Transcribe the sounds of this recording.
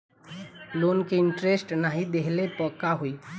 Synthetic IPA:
loːnkiɪ̃ɳʈɾesʈnaɦid̪eɦlepɔːkaɦuiː

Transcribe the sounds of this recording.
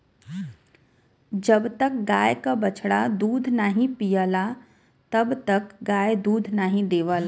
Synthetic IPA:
d͡ʒəbt̪ək̚ɡaːjkabət͡ʃʰɽad̪uːd̪ʱnaːɦĩpijəla | t̪əbt̪əkɡaːjd̪uːd̪ʱnaːɦĩd̪eːʋəl

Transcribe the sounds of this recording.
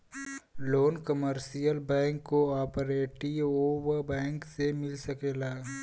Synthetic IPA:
loːnkəməɾsijəlbɛ̃ːŋkːoaːpəɾeːʈioːʋəɾbɛ̃ːŋksemɪlsɐkeːlaː

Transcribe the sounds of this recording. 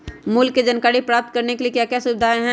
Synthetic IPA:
mʊlkːed͡ʒɐnkaːɾipɾaːp̚t̪̚kɐɾnekeliekjaːkjasʊbɪd̪ʱaːẽɦɛ̃

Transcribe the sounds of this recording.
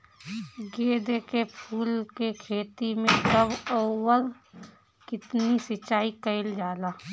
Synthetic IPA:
ɡeːd̪ekepʰuːlkekʰeːt̪imẽkəbəwəl | kɪt̪nisɪt͡ʃːaːikəɪld͡ʒaːlaː

